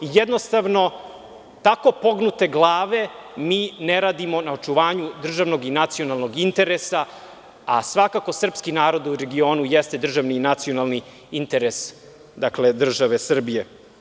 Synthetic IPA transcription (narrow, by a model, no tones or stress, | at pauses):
ijɛd̪no̞st̪aʋno̞ | t̪ako̞po̞ɡnut̪e̞ɡlˠaːʋe̞miːneɾaːd̪imo̞naot͡ʃuʋaːɲud̪r̩ʒaʋno̞ɡinat̪sio̞nalˠno̞ɡint̪e̞ɾesa | asʋakako̞sr̩pskinaːɾo̞d̪uɾeɡio̞ːnujɛst̪e̞d̪r̩ʒaʋniːnat̪sio̞nalˠni | int̪eɾes | d̪akle̞d̪r̩ʒaʋesr̩bije